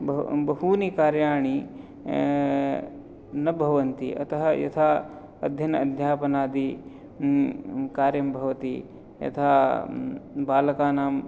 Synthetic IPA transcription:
bbɐɦuːnikaːɾjaːɳi | nɐbʱɐʋɐnt̪ḭʔɐ̰t̪ɐɦɐjɐ̰t̪ʰaː | ɐ̰d̪ʱjɐnɐɐd̪ʱjaːpɐnaːd̪i | kaːɾjɐmbʱɐʋɐt̪i | jɐ̰t̪ʰaː | baːlɐkaːnaːm

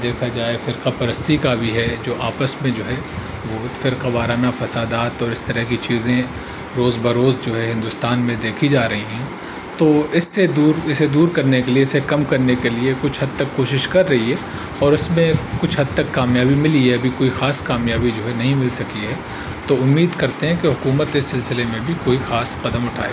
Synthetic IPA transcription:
d̪eːkʰad͡ʒaːefɪɾqapɐɾəst̪ikabʱiɦɛd͡ʒoːʔaːpəsmẽd͡ʒoːɦɛ | ʋoːfɪɾqaʋaːɾaːnafɐsaːd̪aːt̪ɔːɾɪst̪ɐɾəɦkit͡ʃiːzẽ | ɾoːzbɐɾoːzd͡ʒoːɦɛɦɪ̃nd̪ʊst̪aːnmẽd̪eːkʰid͡ʒaːɾɐɦiɦɛ̃ | t̪oːɪsːed̪uːɾɪsed̪uːɾkɐɾnekelieɪsekɐmkɐɾnekeliekʊt͡ʃʰɦɐd̪̚t̪ɐkːoːʃɪʃkɐɾːɐɦiɦɛ | ɔːɾɪsmẽkʊt͡ʃʰɦɐd̪̚t̪ɐkːaːmjaːbimɪliɛɐbʱikoːixaːskaːmjaːbid͡ʒoːɦɛnɐɦĩmɪlsɐkiɦɛ | t̪oʊmːiːd̪kɐɾt̪eɦɛ̃keɦʊkuːmət̪ɪsːɪlsɪlemẽbʱikoːixaːsqɐd̪əmʊʈʰa̰ːḛ

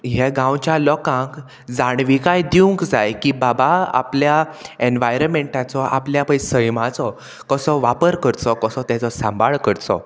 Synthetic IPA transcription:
ɦɛɡãwt͡ɕjalɔkãŋk | d͡zaɽ̃ʋikajd̪iuŋkd͡zajkibabaa̰pljaenʋajɾəmeɳʈat͡sɔʔa̰pljapəjsəjmãt͡sɔ | kəsɔʋapəɾkəɾt͡sɔkəsɔt̪jat͡sɔsãmbʱaɭkəɾt͡sɔ̰

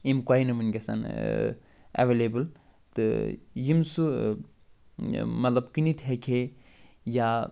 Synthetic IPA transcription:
imkwaːinɨmɨnɡʲesa̰n | ɐ̰ʋeleːbɨl | t̪ɨjimsu | mɐt̪lɐbkinit̪ɦekʰe | ja

